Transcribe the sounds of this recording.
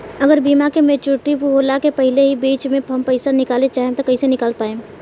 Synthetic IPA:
ɐɡəɾbiːmakemẽt͡ʃʊʈːipɦoːlakepɐɦɪleɦibiːt͡ʃmẽɦɐmpəɪsanɪkaːlet͡ʃaːɦẽt̪okɐisenɪkaːlpaːẽː

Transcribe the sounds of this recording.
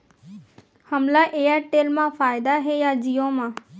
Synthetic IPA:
həmlaʔeːjaʈeːlmãfaːɪd̪aɦejad͡ʒijõmãː

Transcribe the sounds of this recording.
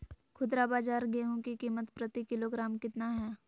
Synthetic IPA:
kʰʊd̪ɾabaːd͡ʒaːɾɡeːɦõkikiːmət̪pɾət̪ikɪloɡɾaːmkɪt̪naɦɛː

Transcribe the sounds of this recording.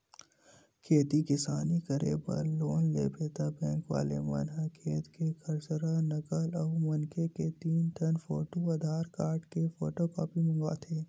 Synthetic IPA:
kʰeːt̪ikɪsaːnikəɾḛbɐ̰ɾloːnlḛːpʰeːt̪abɛ̃ːŋkʋa̰ːlḛmɐ̰nɦɐkʰeːt̪kekʰɐɾsəɾanɐkəlɔːmɐnkeket̪iːnt̪ʰɐnfoːʈuɐd̪ʱaːɾkaːɾɖkefoːʈoːkɔːpimɐ̃ŋɡa̰ːt̪ʰeː

